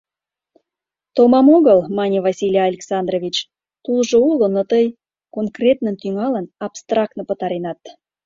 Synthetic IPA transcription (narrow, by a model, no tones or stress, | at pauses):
t̪omɑmoɣəlmɑnʲivɑsʲilʲijɑlʲeksɑnd̪rovʲit͡ɕ | t̪ulʒoulonot̪əj | konkrʲet̪nənt̪yŋɑlənɑpst̪rɑk̚t̪nəpət̪ɑɾenɑt̪